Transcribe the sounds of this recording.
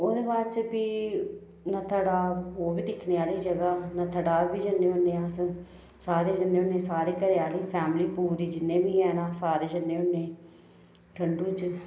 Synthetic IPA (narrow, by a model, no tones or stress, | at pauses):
od̪eːbaːɾt͡ʃbiː | naːt̪ʰəɽaːoːbiːd̪ɪkʰneːaːliːd͡ʒəɡaːnaːt̪ʰəɽaːʋiːd͡ʒənːẽːʊnːeːas | saːɾeːd͡ʒənːeːʊnẽːsaːɾeːkəɾeːaːliːpʰɛːmliːpuːɾiːd͡ʒɪnːẽːʋiːɛːnãːsaːɾeːd͡ʒənːeːʊnːeː | ʈʰəɳɖũːt͡ʃ